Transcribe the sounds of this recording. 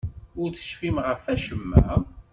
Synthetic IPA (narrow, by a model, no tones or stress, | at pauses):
ʊɾt͡sːə̥ʃfimʁəfæʃəmːæ̰